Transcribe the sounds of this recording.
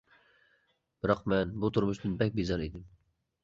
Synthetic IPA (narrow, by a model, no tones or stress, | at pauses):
b̥ɪɾɑqmɛnbut̪ʰʊɾmʊʃd̪ɨnbɛk̚ʲbizɑɾed̪ɪm